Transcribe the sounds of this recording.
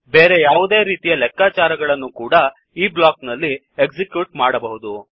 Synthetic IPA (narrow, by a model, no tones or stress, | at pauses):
be̞ːɾe̞jaːʋud̪e̞ːɾiːt̪ijɐlɛkːaːt͡ʃaːɾɐɡɐɭɐnːukuːɽɐ | iːblaːknɐlːi | ekd͡ʒikjuːʈmaːɽɐbɐɦud̪u